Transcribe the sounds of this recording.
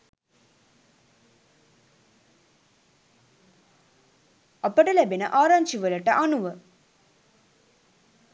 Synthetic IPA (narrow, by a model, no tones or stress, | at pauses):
ɐpəʈəlæbinə̰ʔaːɾaɲd͡ʒiʋələʈəʔanuʋə